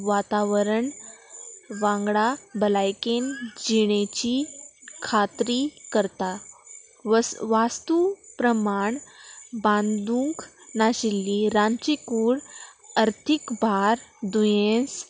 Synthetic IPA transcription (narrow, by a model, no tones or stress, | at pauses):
ʋat̪aʋəɾəɳ | ʋãŋɡɽabəlajkend͡ʑiɽ̃et͡ɕikʰat̪ɾiːkəɾt̪a | ʋast̪upɾəmaɳbãnd̪ũŋknaɕilːiɾãnt͡ɕikuːɽəɾt̪ʰikbʱaɾd̪ujẽs